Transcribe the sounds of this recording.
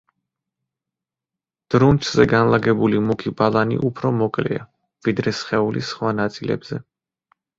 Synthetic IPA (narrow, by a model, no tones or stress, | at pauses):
d̪̥ɾunt͡ʃʰz̥ɛɡanlˠaɡɛbulimukʰibalˠanḭʔupʰɾɔmɔkʼlḭa̰ | vid̪ɾɛsχɛulisχwanat̪sʼilɛ̰bz̥ɛ